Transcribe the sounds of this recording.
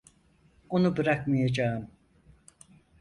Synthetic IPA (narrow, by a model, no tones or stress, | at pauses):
o̞nubɯɾakmajad͡ʒaːɯm